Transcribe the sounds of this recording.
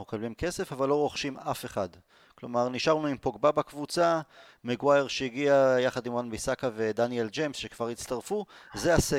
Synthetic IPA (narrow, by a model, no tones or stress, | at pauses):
ukablimke̞se̞favalːo̞ʁo̞χʃimafe̞χad | klo̞maʁniʃaʁnuimpoɡbabakvut͡sa | meɡwajeʁʃejiɡiajaχad̪imʁanbisakaved̪anield͡ʒejmsʃekv̥aʁit͡st̪aʁfuzease